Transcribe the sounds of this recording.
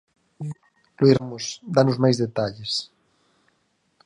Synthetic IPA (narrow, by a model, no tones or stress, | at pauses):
loiɾamʊsd̪anʊzmajzðet̪aʎɪs